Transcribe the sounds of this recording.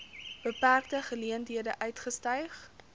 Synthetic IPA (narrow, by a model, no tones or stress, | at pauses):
b̥əpærk̚təχəliəntɦiədəʔœɥtχəstœɥχ